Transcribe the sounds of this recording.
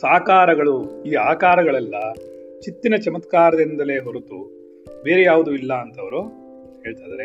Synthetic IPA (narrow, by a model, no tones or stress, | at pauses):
saːkaːɾɐɡɐɭuiːaːkaːɾɐɡɐɭɛlːɐ | t͡ʃit̪ːinɐt͡ʃɐmɐt̪kaːɾɐd̪ind̪ɐle̞ːɦoɾut̪u | be̞ːɾejaːʋud̪uilːɐːnt̪ɐʋɐɾu | he̞ːɭt̪ajd̪ɐɾe